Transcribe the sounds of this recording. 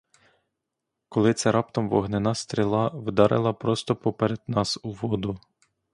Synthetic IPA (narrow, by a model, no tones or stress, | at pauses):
kɔlˠɪt̪sʲɛɾʔɑpt̪ɔmʋɔ̰ɦnɪnɑst̪ɾʲilˠɑwd̪ɑɾʔḛlˠɐpɾɔst̪ɔpɔpeɾed̪nɑsuʋɔd̪ʊ